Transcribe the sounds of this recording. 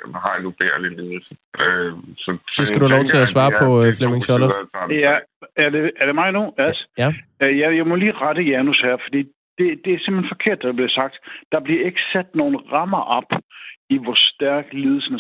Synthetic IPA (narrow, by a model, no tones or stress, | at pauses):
hɑ̈janub̥eɐ̰liliːð̩ˠsøsɒsesɡ̥æduhælɒʊt͡sʰe̝læsʋɑ̈ːpʰɒ̽flemeŋsɒlɐjææɐdeæɐd̥e̝mɑ̈ɪnuæls | jæjɑ̈ɪmɔliːʁɑd̥əjænushæɐ̰fɒd̥ḭː | d̥e̝d̥e̝æɐsem̥henfɒ̽kʰe̝ɐ̰d̥b̥liɐsɑ̈ɡ̥̚d̥d̥ɑ̈b̥liɐe̝ɡ̥əsæd̥no̝ːn̩ʁɑmɐʔɒb̥iʋɒsd̥æɐ̰ɡ̥lið̞ˠl̩ˠsən̩ə